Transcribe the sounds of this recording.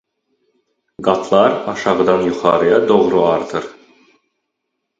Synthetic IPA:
ɡɑt̪ʰlˠɑɾɑʃɑʁɯd̪ɑnjuχɑ̰ːɾɯjɑd̪oʁɾuɑɾt̪ʰɯɾ

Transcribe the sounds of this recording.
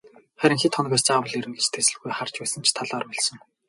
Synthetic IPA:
χæɾʲɪ̆ŋxit̪χɔnɞ̆kæːst͡saːwə̆ɮiɾɘ̆ŋɡet͡ɕt̪ʰesɘ̆ɮɡujχar̥t͡ɕpæːsə̆nt͡ɕʰt̪ʰaɮɔːrpɔɮsɞ̆ŋ

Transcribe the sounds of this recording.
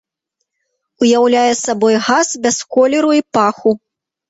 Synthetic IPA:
ujawlʲajɛsabɔjɣasbʲɛskɔlʲɛɾuipaxu

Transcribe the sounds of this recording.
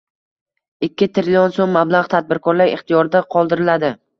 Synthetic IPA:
ɪkʲʰːɪt̪ʰɾɪlijɒnsomːablˠaʁt̪ʰad̪̚bɪɾkʰɒɾlaɾɪ̰χt̪ʰijɒɾɪd̪aqʰɒlˠd̪ɪɾɪlad̪ɪ

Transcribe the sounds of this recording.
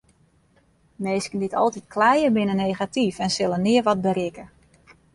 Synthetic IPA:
meːskəndɪtʰɔ̰lˠtit̚kʰlɛjərbɪnənejχatifɛnsɪlˠənɪərʋɔd̚bəɾɪkə

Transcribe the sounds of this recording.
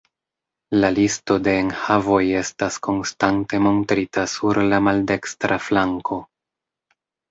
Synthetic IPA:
lalisto̞de̞ːnhavo̞je̞stasko̞nstante̞mo̞ntɾitasuɾlamalde̞kstɾaflaŋkʰo̞

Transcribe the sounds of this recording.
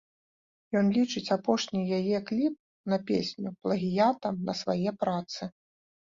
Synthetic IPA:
jɔnlʲit͡ʂɨt͡sʲapɔʂnʲijajɛklʲip̚ | nɐpʲḛsʲnʲuplˠɐɣʲijat̪ɐmnɐsvajɛpɾat̪sɨ

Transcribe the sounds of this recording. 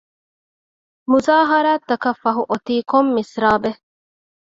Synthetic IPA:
muzaːɦɐɾaːt̪ːɐkɐfɐɦuʔot̪iːkomːisɾaːbe

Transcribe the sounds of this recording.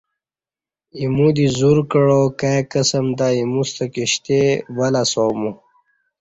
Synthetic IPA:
imũd̪izuɾkəɻokakəsəmd̪aimust̪əkiɕt̪ewalasoːmu

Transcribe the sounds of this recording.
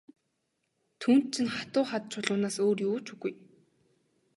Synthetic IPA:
t̪ʰuːn̥t̪̚t͡ɕʰĭnχḁt̪ʊːχat̪̚t͡ɕʰʊɮʊːnaːsoːrjuːt͡ɕʰuɣuj

